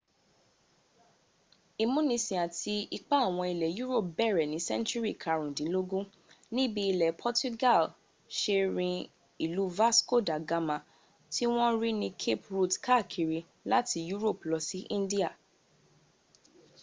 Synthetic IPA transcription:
i˧mũ˦nĩ˧sĩ˨a˨tʰi˧i˧k͡pa˦˨w̃ɔ̃˧i˨lɛ˨ju˦ɾo˦˨p̚bɛ˦˨ɾɛ˨nĩ˨˦sɛ̰̃˦nt͡ʃu˦ɾi˦˨kʰa˧ɾũ˨dĩ˨˦lo˦ɡũ˦ | nĩ˦bi˧˦i˧lɛ˨pʰɔ˦tu˦ɡa˦˨l | ʃe˧ɾĩ˧ | i˨lu˨˦va˦sko˦˨da˨ɡa˧mã˨ | ti˦w̃ɔ̃˦ɾi˦nĩ˧kʰe˦pɾu˦tka˦˨kʰi˨ɾi˧ | la˦ti˧ju˦ɾo˦˨plɔ˧si˦ʔĩ˦n˦di˦a˦˨

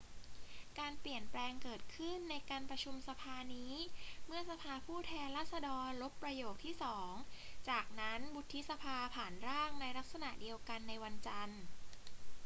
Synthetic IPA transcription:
kaː˧npli˨˩ənplɛː˧ŋkɤː˨˩t̪̚kʰɯ˥˩nːa˧jkaː˧npɾa˧t͡ɕʰu˧msa˧pʰaː˧niː˦˥mɯ˥˩əsa˧pʰaː˧pʰuː˥˩t̪ʰɛː˧nlaː˥˩t̪̚sa˧dɔː˧nɾo˦˥pːɾa˧joː˨˩k̚t̪ʰiː˥˩sɔː˩˦ŋt͡ɕaː˨˩k̚na˦˥nbu˦˥t̪ʰːi˦˥sa˧pʰaː˧pʰaː˩˦nɾaː˥˩ŋna˧jla˦˥k̚sa˧na˨˩ʔdi˧əwka˧nːa˧jwa˧nt͡ɕa˧n

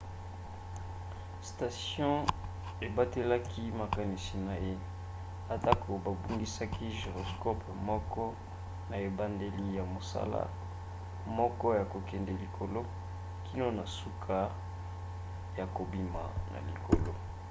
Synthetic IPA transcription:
sta˨sjɔ̃˦ | e˨ba˦te˦la˦kʰi˦ma˨ka˨ni˨si˨na˨je˦ | a˨ta˦ko˨ba˨bu˦ŋɡi˦sa˦kʰi˦ʒe˨ʁo˨skɔ˦pmɔ˦kɔ˦ | na˨e˨ba˦nde˦li˦ja˨mo˨sa̰˦la̰˦ | mɔ˦kɔ˦ja˨ko˨kɛ˨ndɛ˨li˨kʰo˨lo˦ | ki˦no˦na˨su˦kʰa˦ | ja˨ko˨bi˦ma̰˨na̰˨li˨ko̰˨lo˦

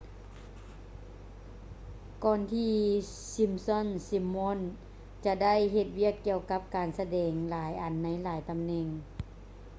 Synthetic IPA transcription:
kɔː˧nt̪ʰiː˧ | si˧˥msɔ˧˥˨nsi˧˥mːo˧˥˨n | t͡ɕa˧da˥˨jɦe˧t̪̚wi˥˩əkːi˧əwka˧˦˥p̚kaː˨˩nsa˧dɛː˨˩ŋlaː˨˩˦jʔa˨˩nːa˧˥jlaː˨˦jt̪a˨mnɛ˧˩ŋ

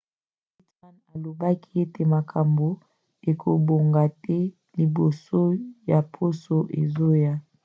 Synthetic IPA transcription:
i˦ta˦na˨lo˨ba˦ki̥˦e˦te˨ma˨kʰa˨mbo˦ | e˨kʰo˨bo˨ŋɡa˨tɛ˦ | li˨bo˨so˦ja˨pʰo˦so˦ʔḛ˨zo˦ja˦

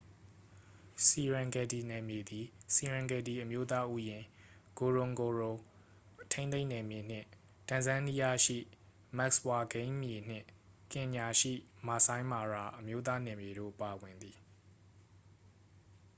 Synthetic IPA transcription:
si˨ɹã˨ŋɡɛ˨di˨nɛ˨mje˨d̪i˨si˨ɹã˨ŋɡɛ˨di˨ʔəmjo˦t̪̬a˦ʔu˦jɪ̃˨ɡ̥o˨ɹʊ̃˨ŋɡo˨ɹo˨ | tʰẽ˦ẽ˦ɪ̃nɛ˨mje˨n̥ɪ̰̃˦˨ | tã˨zã˦ni˦ja˦ʃḭ˦˨ | mɛ˦k̚swa˨ɡẽ˦ɪ̃mje˨n̥ɪ̰̃˦˨ | kɪ̃˨ɲa˨ʃḭ˦˨ma˨sã˦ɪ̃ma˨ɹa˨ʔəmjo˦t̪̬a˦nɛ˨mje˨ɾo̰˦˨pa˨wɪ̃˨nd̪ði˨

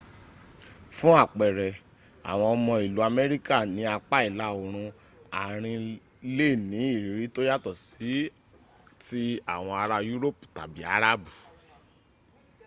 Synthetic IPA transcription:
fũ˦a˦˨k͡pɛ˨ɾɛ˨ | a̰˨w̃ɔ̃˧ɔ˧mɔ̃˧i˨lu˨˦a˧mɛ˦ɾi˦ka˦˨nĩ˧˦a˧k͡pa˦i˦˨la˨˦o˨ɾ̃ũ˧ | a˨ɾ̃ĩ˧ | le˦˨nĩ˨˦i˦˨ɾi˨˦ɾi˨˦to˦ja˦tɔ˨si˨˦ | ti˦a˦˨w̃ɔ̃˧a˧ɾa˧ju˦ɾo˦pu̥˨ta˨bi˨˦a˦ɾa˦bu˨

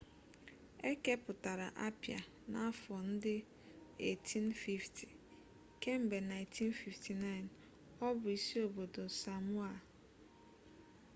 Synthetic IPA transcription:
e˦ke˦pʊ˨ta˨ɾa̰˨ʔa˦pja̰˨ | na˨˦fɔ˨n̩˦dɪ˦ | e˨tʰi˦nfi˦ftʰi̥˨ | ke˦m̩˨be˨na˨ɪ˨tʰi˦nfi˨fti˨na˦ɪ˨n | ɔ˦bʊ˨i˨si˦o˨bo˨do˨sa˨mwa˦˨

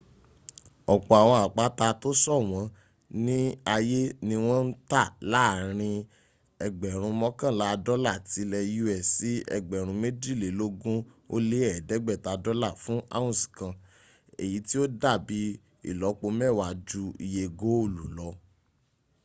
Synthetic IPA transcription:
ɔ˨k͡pɔ˨a˨w̃ɔ̃˧a˨k͡pa˨˦ta˧to˦sɔ˦˨w̃ɔ̃˧˦ | nĩ˦a˧je˦nĩ˧w̃ɔ̃˦n̩˦ta˦˨la˨˦˨ɾ̃ĩ˧ | ɛ˧ɡ͡bɛ˨ɾ̃ũ˧mɔ̃˦kã˦˨la˦˧dɔ˦la˦˨ti˨˦lɛ˧ju˦ɛ˦˨si˨˦ɛ̰˧ɡ͡bɛ˨ɾ̃ũ˧˦me˦di˦˨le˨lo˦ɡũ˦o˦le˦ɛ˦˨dɛ˨˦ɡ͡bɛ˦˨ta˨˧dɔ˦la˦˨fũ˦ʔa̰˦wũ˦˨sĩ̥˨kã˧ | e˨ji˨˦ti˦o˦da˦˨bi˨˦ | ḭ˦˨lɔ˨˦k͡po˧mɛ˦˨wa˨d͡ʒu˧ḭ˧je˧ɡo˨˦o˦˨lu˨lɔ˧˦

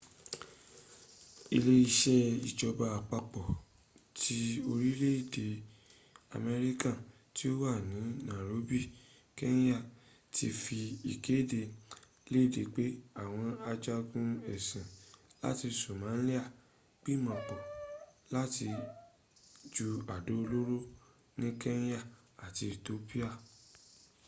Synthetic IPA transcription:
i˧le˦i˧ʃɛ˦i˨d͡ʒɔ˧ba˧a˨k͡pa˧k͡pɔ˨ | tʰi˦o˧ɾi˦le˦i˦˨de˨ | a̰˨mɛ˧ɾi˦kã˦˨ | ti˦o˦wa˦˨nĩ˨˦nã˨ɾo˨˦bi˦˨ | kɛ˦ñ˦ja˦˨ | ti˧fi˧ḭ˨ke˨˦˨de˧ | le˦i˦˨de˨k͡pe˨˦a˦˨w̃ɔ̃˧a˧d͡ʒa˧ɡũ˧ɛ˨sĩ˨la̰˦ti˧so˨mã˨˦li˦a˦˨ | k͡pi˦˨mã˨k͡pɔ˨la˦ti˧ | d͡ʒu˧a˨do˨˦˧lo˦ɾo˦ | nĩ˦kɛ˦n˦ja˦˨ | a˨ti˧i˨to˨˦pi˦a˦˨

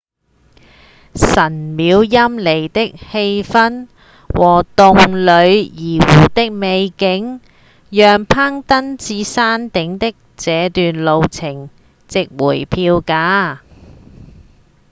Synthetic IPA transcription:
sɐ˨˩nmiː˨˧wjɐ˥mle˨˩jt̪ɪ˥k̚he˧jfɐ˥n | wʔɔː˨˩t̪ʊ˨ŋlɵ˨˧ɥjiː˨˩wuː˨˩t̪ɪ˥k̚me˨˧jkɪ˨˥ŋ | jœː˨ŋpʰaː˥ŋt̪ɐ˥nt͡siː˧saː˥nt̪ɪ˨˥ŋt̪ɪ˥k̚t͡sɛː˨˧t̪yː˨nlo˨˧wt͡sʰɪ˨˩ŋ | t͡sɪ˨k̚wṵː˨˩jpʰiː˧wkaː˨˥

